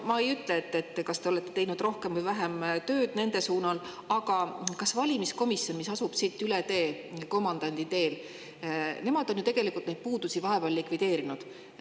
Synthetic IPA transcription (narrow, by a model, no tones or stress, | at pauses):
mɑe̞jyt̪ːˑleːt̪ːet̪ːkɑst̪e̞o̞le̞t̪ːˑe̞t̪e̞jnud̪ro̞hke̞mvujvæɦemt̪ø̞ːd̪̥ne̞nd̪e̞suːnɑl | ɑɡ̥ɑkɑsvɑlʲimisko̞misjo̞nmisɑsub̥sit̪ːˑylet̪e̞ː | ko̞mːɑnd̪̥ɑnʲd̪̥it̪e̞ːl | ne̞mɑd̪̥o̞njut̪e̞ɡ̥e̞likˑult̪ne̞jd̪̥̚puːd̪̥usʲivɑɦe̞pellikvid̪e̞ːɾinud̪̥